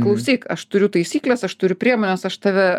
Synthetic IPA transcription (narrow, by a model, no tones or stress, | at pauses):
klˠɐʊsʲiːkɐʃt̪ʊɾʲʊt̪ɐɪsʲiːklʲɛsɐʃt̪ʊɾʲʊpʲɾʲiɛmoːnʲɛsɐʃt̪ɑʋʲɛ